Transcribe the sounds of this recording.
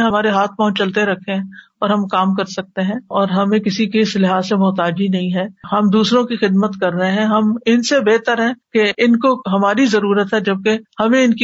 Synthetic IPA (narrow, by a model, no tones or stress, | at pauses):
ɦɐmaːɾeɦaːt̪̚ʰpaɦʊ̃t͡ʃt͡ʃɐlt̪eɾɐkʰːeɦɛ̃ɔːɾɦɐmkaːmkɐɾsɐk̚t̪eɦɛ̃ːɔːɾɦɐmẽkɪsikeɪslɪɦaːzsemɔːt̪aːd͡ʒinɐɦĩɦɛːhɐmd̪uːsɾõkixɪd̪mət̪kɐɾːɐɦeɦɛ̃ɦɐmɪnsebeːt̪əɾɦɛ̃keʔɪnkoɦɐmaːɾizɐɾuːɾət̪ɦɛd͡ʒɐb̚kehɐmẽɪnki